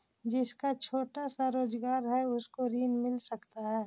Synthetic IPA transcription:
d͡ʒɪskat͡ʃʰoːʈasaɾoːd͡ʒɡaːɾɦɛʊskoɾiːnmɪlsɐkt̪aɦɛː

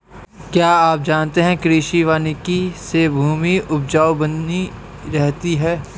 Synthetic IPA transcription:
kjaːaːp̚d͡ʒaːnt̪eɦɛ̃kɾiːʃiʋaːnikisebʱuːmiʊb̚d͡ʒaːobɐnːi | ɾɛɦt̪iɦɛː

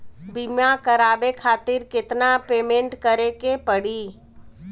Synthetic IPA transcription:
bimjakəɾaːbekʰaːt̪ɪɾkɪt̪napeːmẽɳʈkəɾekepəɽ̤iː

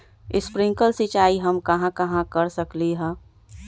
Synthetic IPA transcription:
ɪspɾɪ̃ŋkəlsit͡ʃaːiɦəmkɐɦãkɐɦãkəɾsəkliɦɛ̃ː

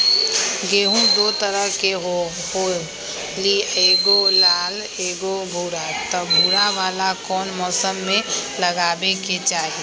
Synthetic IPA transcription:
ɡeːɦũd̪oːt̪əɾəɦkeɦo | ɦo | lieːɡolaːl | eːɡobʱuːɾat̪ɔbʱuːɾaʋaːlakɔːnmɔːsəmːẽləɡaːbeket͡ʃaːɦi

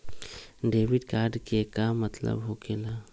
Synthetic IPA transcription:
ɖeːʋɪɖkaːɾɖkekamət̪lə̰bɦokela

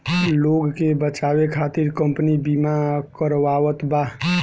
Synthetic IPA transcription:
loːɡkebət͡ʃaːwekʰaːt̪ɪɾkə̃mpnibimakəɾʋaːʋət̪ba

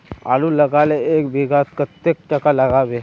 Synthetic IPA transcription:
a̰luləɡaleekbʱiɡat̪kət̪ek̚ʈəkaləɡaʋe

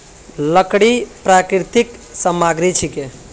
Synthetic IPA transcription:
ləkɽipɾakɾit̪iksəmaɡɾit͡ʃʰike

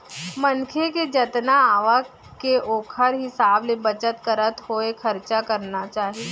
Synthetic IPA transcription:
mənkʰeked͡ʒət̪naaːʋa | keoːkʰəɾɦɪsaːblebət͡ʃət̪kəɾət̪ɦoekʰəɾt͡ʃakəɾnat͡ʃaːɦie

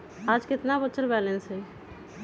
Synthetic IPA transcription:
aːd͡ʒkɪt̪nabət͡ʃːəɾbɛːlẽnsɦɛ

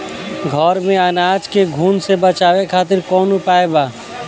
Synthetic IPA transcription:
ɡʱɔːɾmẽənaːd͡ʒkeɡʱuːnsebət͡ʃaːʋekʰaːt̪̬ɪɾkɔːnʊpaːebaː

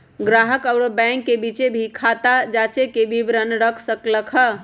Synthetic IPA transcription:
ɡɾaɦəkəʊɽobɛ̃ŋkːebit͡ʃebʱikʰat̪ad͡ʒat͡ʃekebʱibɾənɾəkʰsəkləkʰə

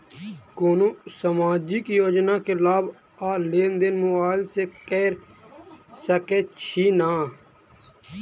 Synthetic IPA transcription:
koːnõːsəmaːd͡ʒɪkjoːd͡ʒnaːkeːlaːb | aːleːnd̪ɪnmʊaːɪlseːkɛːɾ | səkeːt͡ʃʰiːnaː

